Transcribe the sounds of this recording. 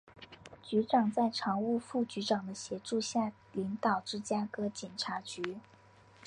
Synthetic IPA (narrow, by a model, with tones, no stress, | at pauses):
t͡ɕy˧˥ʈ͡ʂɑ˨˩ŋt͡sa˥˩ɪʈ͡ʂʰɑ˧˥ŋu˥˧fu˥˩t͡ɕy˧˥ʈ͡ʂɑ˨˩ŋd̪ə˦ɕjɛ˧˥ʈ͡ʂu˥˧ɕja˥˩ | li˧˥ŋt̪ɑ˨˩ʊʈ͡ʂɻ̩˥˧t͡ɕja˥kɤ˥t͡ɕjɛ˨˩nʈ͡ʂʰa˧˥t͡ɕy˧˥